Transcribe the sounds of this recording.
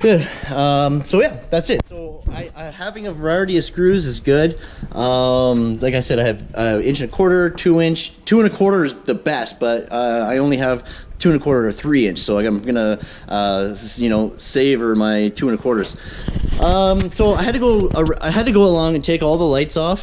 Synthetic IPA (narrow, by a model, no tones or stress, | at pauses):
ɡ̥ʊdʌ̃msoʊjæðætsɨt̚soʊaɪʔaɪhævɪ̃ŋɨvə˞aɪɹɨɾiʌ̥skɹʉzɨzɡʊdʔʌ̃mlaɪkaɪsɛɾaɪɨvəɪ̃nt͡ʃɨ̃nɨkʰw̥ɔɹɾə˞tʰʉɪ̃nt͡ʃtʰʉɨ̃nɨkʰw̥ɔɹɾə˞zðɨbɛst̚b̥ʌt̚ʌaɪõʊ̃nliɨv̥tʰʉɪ̃nɨkʰw̥ɔɹɾə˞ə˞θɹiɪ̃nt͡ʃsoʊaɪãɪ̃mɡʌnəʔʌjɨnoʊseɪvə˞maɪtʰʉɨ̃nɨkʰw̥ɔɹɾə˞z̥ | ʔʌ̃msoʊaɪɦɨd̚tʰɨɡoʊəa̰ɪɨd̚tɨɡoʊəlɔ̃ŋɨ̃ntʰeɪkɔlˠðəlaɪtsɔf